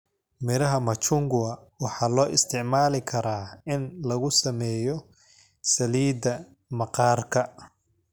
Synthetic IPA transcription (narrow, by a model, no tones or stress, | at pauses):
mɪɾɐɦɐmɐt͡ʃʊŋɡʊɐ | wɑħɑːlɔːʔɪst̪ʰɪʕmaːlɪkʰɐɾaːɪnlɐɣʊsɐmɛːjɔ | sɐliːd̪ɐ | mɐqɑːrkʰɐ